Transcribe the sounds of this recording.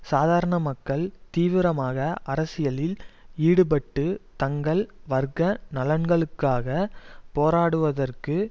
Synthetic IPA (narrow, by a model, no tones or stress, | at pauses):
saːðaːɾɐɳɐmɐkːɐɭt̪iːʋɪɾɐmaːɣɐʔɐɾɐsɪjɐlɪliːɽɯp̬ɐʈːɯt̪ɐŋɡɐɭʋɐɾɣɐnɐlɐnɡɐɭɯkːaːɣɐpoːɾaːɽɯʋɐðɐrkɯ